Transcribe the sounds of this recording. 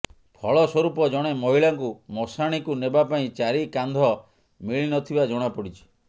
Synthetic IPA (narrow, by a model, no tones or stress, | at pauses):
pʰɔɭɔswɔɾupɔd͡ʒɔɽ̃emɔɦiɭaŋkumɔsaɽ̃ikunebapaĩt͡ʃaɾikand̪ʱɔ | miɭinɔt̪ʰibad͡ʒɔɽ̃apɔɽit͡ʃʰi̥